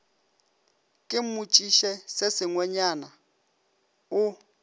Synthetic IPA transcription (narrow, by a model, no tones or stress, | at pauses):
kʼɪmut͡ʃʼiʃɛsesɪŋwɛɲana | ʊ